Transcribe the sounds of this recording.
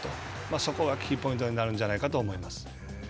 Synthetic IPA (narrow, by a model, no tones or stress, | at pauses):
t̪o̞̰ | maso̞ko̞ɡakʲːipõ̞ĩnt̪o̞ɲ̟inaɾɯ̟̃ɲd͡ʑanaikat̪o̞ːmo̞imasɨ̥